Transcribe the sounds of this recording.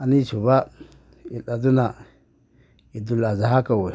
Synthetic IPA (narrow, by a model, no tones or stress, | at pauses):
anit͡ʃuba | iɗaduna | idulazaɦakawe